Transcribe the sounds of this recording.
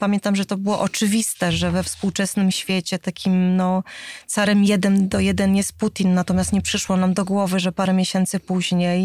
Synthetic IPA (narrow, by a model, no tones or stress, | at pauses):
pamʲjɛnt̪amʐɛt̪ɔbɘwɔʔɔt͡ʂɘvʲist̪ɛʐɛvɛfspuwt͡ʂɛsnɘmɕfʲjet͡ɕɛt̪akʲimnɔt̪saɾɛmjɛd̪ɛmd̪ɔjɛd̪ɛnjɛst̪̚put̪ʲinːat̪ɔmʲjast̪ɲɛpʂɘʂwɔnamd̪ɔɡwɔvɘʐɛpaɾɛmʲeɕɛnt̪sɘpuʑɲej